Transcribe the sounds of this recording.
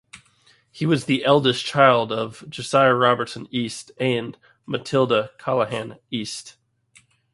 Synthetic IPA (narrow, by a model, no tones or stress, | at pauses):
hiwʌzðiʔɛlˠdɨst͡ʃʰaɪlˠdʌvd͡ʒɨsaɪɨɹɑbə˞tsɨ̃nistɨ̃n | mɨtʰɪlˠdəkʰɑlˠəɦæ̃nist